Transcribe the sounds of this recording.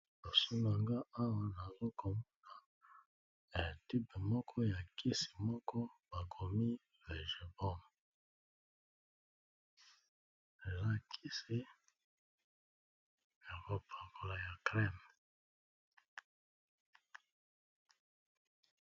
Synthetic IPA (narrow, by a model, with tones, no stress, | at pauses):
o˨su˦na˨ŋɡa˦a˦wa˨na˨zo˦kʰo˨mɔ˦na˨ | e˨ti˦pe˨mɔ˦kʰɔ˦ja˨kʰi˦si̥˨mɔ˦kɔ˦ba˨ɡo˨mi˦ | le˨ʒe˨bɔ˦˨m˨ | la˨kʰi˦si˨ | ja˨ko˨pʰa˨ko˨la˨ja˨kʁɛ˦˨m